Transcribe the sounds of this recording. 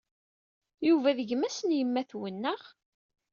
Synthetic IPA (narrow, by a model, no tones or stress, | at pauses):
juvæðəʝəmæsənjəmːæθwənːəʁ